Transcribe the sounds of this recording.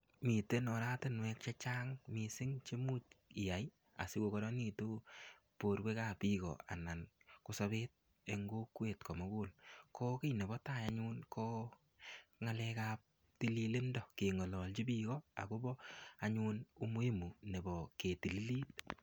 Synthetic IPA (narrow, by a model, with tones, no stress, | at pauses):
mi˨te˦nɔ˨ɾa˦tɪ˦nwɛ˦k̚t͡ʃɛ˦t͡ʃa˦ŋmi˨sɪ˦ŋt͡ʃe˦mu˦tɪ˨ja˨j | a̰˨sɪ˦ko˨kɔ˨ɾɔ˦ni˨tu˦ | po˨ɾke˦ka˨pi˦kɔ̰˨a̰˨na˨nkʊ˦sɔ˧βe˦t̚ | e˧ŋɡo˦kwe˨tkɔ˨mɔ˦ku˦lkʰɔ˦ke˦jne˨bɔ˦ta˦˨ja˦ɲu˦nkɔ˦ | ŋa˧lɛ˧ka˧p̚ | ti˦li˦lɪ˦ndɔ˨ke˨ŋɔ˨lɔ˨lt͡ʃi˦bi˦kɔ˦a̰˨ko˦bɔ˦a˨ɲu˦nu˦mu˦e˦mu˨ne˨bɔ˨ke˨ti˨li˦liː˦t̚